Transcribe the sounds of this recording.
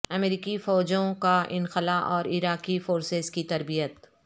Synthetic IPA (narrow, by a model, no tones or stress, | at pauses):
ɐmeɾiːkifɔːd͡ʒõkaʔɪnxɪlaʔɔːɾɪɾaːkifoːɾsezkit̪ɐɾbijət̪